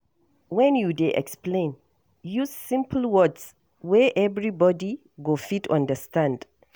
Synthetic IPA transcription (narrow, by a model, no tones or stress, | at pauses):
wɛ̃njudeʔɛ̰ksplẽn | juzsĩmpʰl̩wɔds | wɛʔɛvɹibɔdi | ɡofitʰɔ̰̃ndəstãnd